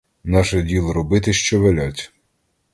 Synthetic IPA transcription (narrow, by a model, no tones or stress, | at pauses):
nɑʃɛdʲilˠɔɾɔbɪt̪ɪʃt͡ʃɔʋelʲɔt͡sʲ